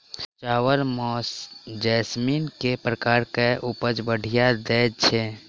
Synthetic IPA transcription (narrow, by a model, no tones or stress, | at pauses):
t͡ʃaːwəɾmɔsd͡ʒɛsminkepɾəkaːɾkeʔupəd͡ʒbəɽ̤ʱijad̪ɛt͡ʃʰɛ